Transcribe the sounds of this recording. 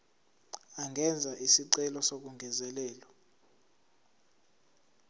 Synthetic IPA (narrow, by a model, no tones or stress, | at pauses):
aŋʱɛnd͡zʱaʔisiǀɛlɔsok̬uŋɡʱɛzɛlɛːlɔ